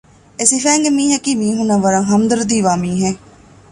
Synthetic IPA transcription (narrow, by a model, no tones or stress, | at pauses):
esiːfɛːŋɡmĩːɦɛkimĩːɦʊnãːʋəɾãɦəmd̪əɾd̪iːʋaːmĩːɦɛ̃ː